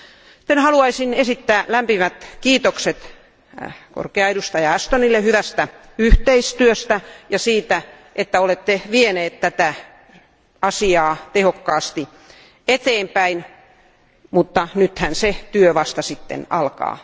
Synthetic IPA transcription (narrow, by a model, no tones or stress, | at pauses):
si̥t̪ːenhɑluɑisinesit̪ːæːlæmpimæt̪kiːt̪okset̪ | ko̰rkeɑedust̪ɑjɑæst̪onilːehyʋæst̪æ | yht̪eist̪yøst̪æjɑsiːt̪æ | ʔet̪ːæolet̪ːeʋieneːt̪t̪æt̪æ | ɑsiɑːt̪ehokːɑːst̪i | et̪eːmpæin | mut̪ːɑnyt̪hænset̪yøʋɑst̪ɑsit̪ːḛnɑlkɑ̰ː